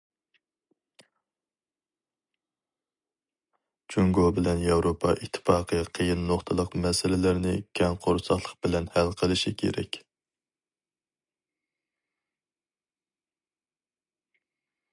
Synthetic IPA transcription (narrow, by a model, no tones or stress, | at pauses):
t͡ʃʰuŋɡobɪlɛnjɑwɾopʰɑʔit̪ʰːɪ̥fɑːqʰəqʰəjɨnːoχt̪ʰɨlˠəqmɛsɪlɪlæɾnɪkʲʰɛŋqʰoɾsɑχlˠəqbɪlɛnhælqʰəlˠɨʃikʲʰḛɾɛ̰kʲ